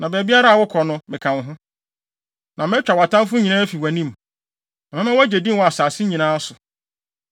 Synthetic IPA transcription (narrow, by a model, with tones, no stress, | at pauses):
nã˨bɛː˨bi˦a˦ɾa˦˨wɔ˦kʰɔ˨nʊ̃˦mɪ̃˨kʰã˨n˦ɦʊ̃˦ | nʔã˨mɛ̃˦t͡ɕᶣa˨wa˨tʰã˦m˦fʊ˦ɲĩ˨nãː˦fi˨wæ˨nĩ˦m | nã˨mɛ̃˦mɛ̃˦wa˦d͡ʑe˨dĩ˦mwɔ˦a˨saː˨sɪ˦ɲĩ˨nãː˦a˦sʊ˨